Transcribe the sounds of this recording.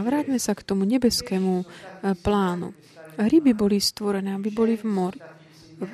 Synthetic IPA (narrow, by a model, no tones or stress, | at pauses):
vɾaːɟmɛsakt̪omuɲɛbɛskɛːmuplaːnṵ | ɦɾɪbibolist̪voɾɛnɛːabibolivmoɾi